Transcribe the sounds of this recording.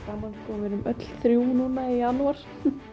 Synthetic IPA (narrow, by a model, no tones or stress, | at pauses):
amːanskɔvɪɾʏmʔœt̪l̥θɾjuːwnunaijanuaɾ̥